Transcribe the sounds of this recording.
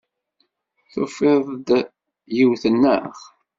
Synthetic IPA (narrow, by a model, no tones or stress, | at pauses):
θṵfɪðˤd̪ | jiwθənːə̰χ